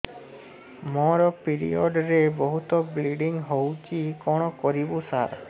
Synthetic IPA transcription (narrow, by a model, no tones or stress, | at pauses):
mɔɾɔpiɾḭɔɖɾebɔɦut̪ɔbliɖiŋɦowt͡ʃikɔɽ̃ɔkɔɾibusaɾ